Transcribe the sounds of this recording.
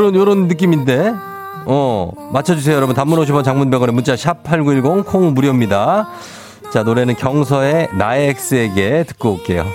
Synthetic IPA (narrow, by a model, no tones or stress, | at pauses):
ɾʌnjʌɾʌnːɯk̬͈iminde̞ | ʌ | mat͡ɕʰʌd͡ʑus̬ʰeojʌɾʌbuntamːunoɕʰipʰʌnt͡ɕaŋmunbeɡʌɾemunt͡ɕ͈aɕʰapʰaɭɡuiɭɡʌŋkʰoŋmuɾjʌmɲida | t͡ɕanoɾe̞nɯnkjʌŋs̬ʰʌe̞naek̚s͈ɯe̞ɡe̞tɯ̥k̚k͈ook͈e̞jo̰